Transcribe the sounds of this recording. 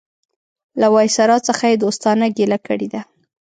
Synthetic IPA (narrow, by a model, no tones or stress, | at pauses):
lawɑjsaɾɑt͡səxajed̪ost̪ɑnaɡelakəɽed̪a